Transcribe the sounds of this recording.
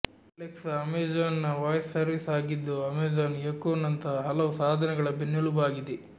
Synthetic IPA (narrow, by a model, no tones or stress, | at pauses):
leksɐmeːd͡ʒaːnːɐʋaːjsːɐɾʋisaːɡid̪ːuɐmeːd͡ʒaːnjekoːnːɐnt̪ʰɐɦɐɦɐlɐʋusaːd̪ʱɐnɐɡɐɭɐbenːuɭubaːɡid̪e